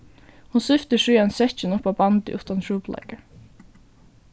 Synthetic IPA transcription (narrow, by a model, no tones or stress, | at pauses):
hʊnsʏft̪əʂyːɛnsɛt͡ʃənʊpaːbɑnd̪ɪ̰ʔʉht̪ɑnʰɹuːplʔɛ̰ɡə